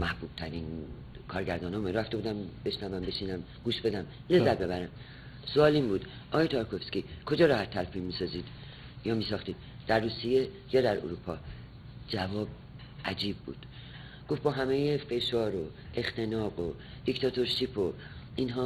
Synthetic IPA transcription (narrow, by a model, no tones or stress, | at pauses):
mæhbuːb̥t̪ʰæɾiːn | kʰɒːɾɟæɾd̪ɒːnɒmeɾæft̪eud̪æmbe̞ʃnævæmbe̞ʃinæm | ɡuːʃbe̞d̪æm | le̞zːæt̪̚be̞bæɾæm | soɒːlinbuːd̪̥ | ʔɒːɣjet̪ʰɒɾkʰofskʲikʰo̞d͡ʒɒːɾɒːhæt̪ʰːælpʰimiːsɒːziːd̪̥ | jɒːmiːsɒːxt̪iːd̪̥ | d̪̥æɾːuːsije | jɒːd̪æɾo̰ɾupʰɒː | d͡ʒævɒːb̚ | ʔæd͡ʒiːbːṵːd̪̥ | ɡ̥oft̪̚bɒːɦæmejefe̞ʃɒːɾo | e̞xt̪ʰe̞nɒːɡo | d̪̥ikt̪ʰɒːt̪ʰo̞ɾʃipʰo̞ | inɦɒː